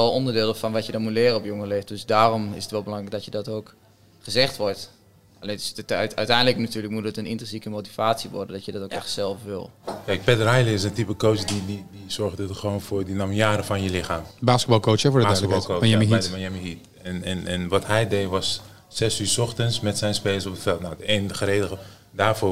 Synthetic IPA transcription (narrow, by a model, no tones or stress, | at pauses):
ɔlˠɔndəɹdɪːlˠəfɔnʋɔtjədɔnmutlɪːrənɔpjoŋəleːfdøsdaːrɔmɪ̰sətʋɛlˠbəlɑŋrɛjk̚dɔtjədɔtoːk | χəzɛχtʋɔɹt | alentɪsttœɥtɛjndləknatyːləkmut̚dətənɪntənsikəmoti̥faːtsiʋɔ̰ɹdəndɔtjədɔtokɛxtsɛlˠfʋɪ̰lˠkɛjk̚pɛdərajliɪsəntipəkowsdididisɔrɣdədətχəʋoːnfʊːrdənamijaːɾəfɔnjəlɪxaːmbaːskəbɔlˠkowsɛɔaskəbɔkoɛmiɦiɔnjɛmiɦit | ɛnɛnɛnʋɔthɛjdejʋɔs | sɛsyːsɔxtənsmɛtsɛjnspeːləsɔpətfɛlˠtnawdəeːnəxəreːdəɣə | daːrfoː